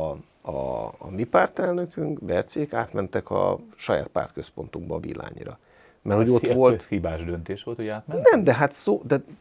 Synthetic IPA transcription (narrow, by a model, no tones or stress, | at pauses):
ɒmipaːrt̪ɛlnøkyŋkbɛrt̪seːkaːt̪mɛnt̪ɛkɒ̰ʃɒja̰ːt̪̚pa̰ːrt̪kø̞spo̞nt̪uɡbɒːvḭlːa̰ːɲḭɾɒ | mɛrhoɟo̞t̪ʋo̞lt̪ibaːʒd̪ønt̪eːʃʋo̞lt̪hojaːt̪mɛnɛmd̪ɛɦat̪soːd̪ɛ